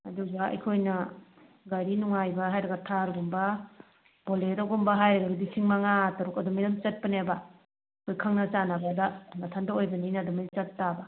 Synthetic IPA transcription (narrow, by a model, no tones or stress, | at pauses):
ɐ̰duɡɐɐ̰jkʰojnɐ | ɡaɾinuŋajbɐɦajɾɐɡɐtʰaɾɡumbɐ | b̥oleɾɔɡumbɐɦajɾɐɡɐɡɐdisʰiŋmaŋatɐɾukɐdumidamt͡ʃɐt̚pɐneba | kʰojkʰaŋnɐt͡ʃanabadamɐtʰandaojbɐninɐdumit͡ʃɐt̚ːaba